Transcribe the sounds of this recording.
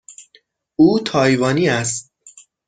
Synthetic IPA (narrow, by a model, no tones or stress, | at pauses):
uːt̪ʰɒːjvɒːniːæst̪̚